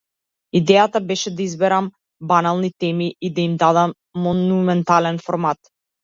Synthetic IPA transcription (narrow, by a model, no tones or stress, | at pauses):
id̪ɛjat̪abɛʃɛd̪aizbɛɾam | banalˠnit̪ɛmiid̪aimd̪ad̪amː | ɔnumɛnt̪alɛnfɔɾmat̪